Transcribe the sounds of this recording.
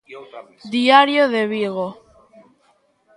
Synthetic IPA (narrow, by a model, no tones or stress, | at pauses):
d̪iaɾjoðeβiɣo